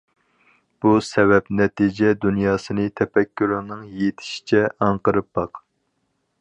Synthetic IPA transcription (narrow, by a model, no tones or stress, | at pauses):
b̥usɛvɛpnɛt̪ʰid͡ʒɛd̪unjɑːsɨnɨt̪ʰɛpɛkʲʰːyɾɨnɨŋjet̪ʰɪ̥ʃi̥t͡ʃʰɛɑŋqəɾɨp̚bɑq